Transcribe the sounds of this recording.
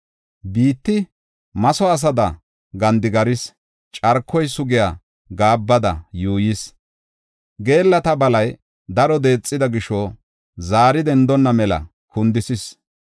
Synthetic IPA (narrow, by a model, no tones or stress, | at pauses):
biːt̪ːɪ | mɐsɔɐs̬ɐd̪ɐ | ɡɐnd̪ɪɡɐɾɪs | t͡ʃʼɐɾkʰːɔjsʊɡɪjaː | ɡaːbːɐd̪ɐ̰juːjɪs | ɡe̞ːlːɐt̪ɐbɐlɐj | d̪ɐɾɔd̪e̞ːt͡sʼːɪd̪ɐɡɪʃɔ | zaːɾɪd̪ɛnd̪ɔnːɐmɛlɐ̰ | kʊnd̪ɪsɪs